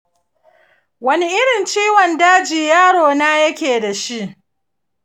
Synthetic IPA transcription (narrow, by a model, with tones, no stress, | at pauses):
wɐ˦ni˦ʔɪ˦ɽɪ˨nt͡ʃiː˦wɔ˨ndaː˦d͡ʒiː˨jaː˦ɽoː˨naː˦jɐ˦kʲeː˨da˨ʃi˦ʔ